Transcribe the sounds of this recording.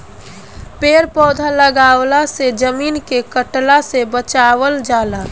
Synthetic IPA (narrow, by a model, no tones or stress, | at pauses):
peːɾpɔːd̪ʱaləɡaːwlased͡ʒəmiːnkekəʈlasebət͡ʃaːʋəld͡ʒaːla